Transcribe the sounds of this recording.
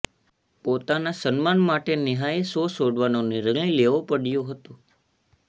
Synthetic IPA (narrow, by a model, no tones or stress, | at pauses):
pot̪anasənmanmaʈeniɦaesosoɽʋanoniɾəɡɭileʋopəɽjõɦət̪ũ